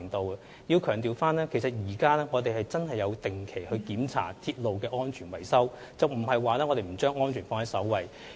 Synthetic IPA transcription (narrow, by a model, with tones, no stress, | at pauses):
ŋt̪o˨˧wɐ˧ | jiː˧wkʰœː˨˩ŋt̪iː˨wfaː˥nɛː˥kʰe˨˩jsɐ˨t̚jiː˨˩kaː˥lɛː˥ŋɔː˨˧t̪e˨jɦɐ˨jt͡sɐ˥nhɐ˨jːɐ˨˧wt̪ɪ˨ŋkʰe˨˩jhɵ˧ɥkiː˨˥mt͡sʰa̰ː˨˩t̪ʰiː˧t̚lo˨wkɛː˧ʔɔː˥nt͡ʃʰyː˨˩nwɐ˨˩jsɐ˥w | t͡sɐ˨wm̩˨˩hɐ˨jwaː˨lɛː˥ŋɔ˨˧t̪e˨jm̩˨˩t͡ʃœː˥ŋɔː˥nt͡ʃʰyː˨˩nfɔː˧˥nɐ˥sɐ˨˥wwɐ˨˩j